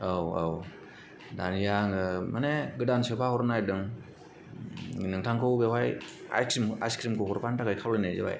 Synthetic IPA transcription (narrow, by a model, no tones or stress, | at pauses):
owaw | danijaŋɯmaneɡɯdansɯpʰahɔɾnajdɯŋ | inɯŋtʰaŋkʰɯwbewaja̰jkɾima̰skɾimkʰɯhɔɾpantakajkʰawlajnɯjzɯba̰j